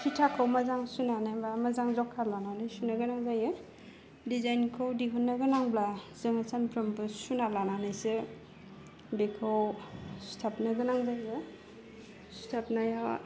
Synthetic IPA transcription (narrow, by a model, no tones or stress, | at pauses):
pʰitʰakʰawmazaŋsunanajbamazaŋzɔkʰalananajsunaɡɯnaŋzajɯ | dizajnkʰawdiɦunːaɡɯnaŋblazɯŋasanpɾɯmbɯsunalananajsɯ | bekʰawstʰapnaɡɯnaŋzajɡɯ | su̥tʰap̚naja